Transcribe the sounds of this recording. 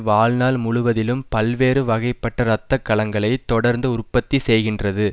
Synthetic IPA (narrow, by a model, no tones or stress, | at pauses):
ʋaːlnaːlmʊɻʊʋɐðɪlɯmpɐlʋeːɾɯʋɐɣɐɪpːɐʈːɐɾɐt̪ːɐkːɐlɐŋɡɐɭɐɪt̪ɔɽɐɾnd̪ɐʊrpɐt̪ːisɛjɣɪndrɐðɯ